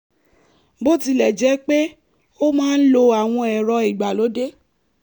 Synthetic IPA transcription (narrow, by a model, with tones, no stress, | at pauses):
bo˦ti˧lɛ˨d͡ʒɛ˨˦k͡pe˦ | o˦mãː˦n̩˦lo˧a˨w̃ɔ̃˧ɛ˨ɾɔ˧i˨ɡ͡ba˨lo˨˦de˦